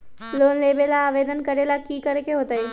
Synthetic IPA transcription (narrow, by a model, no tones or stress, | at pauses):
loːnleːbelaːʋeːd̪ənkəɾelakiːkəɾekeɦoːt̪aiː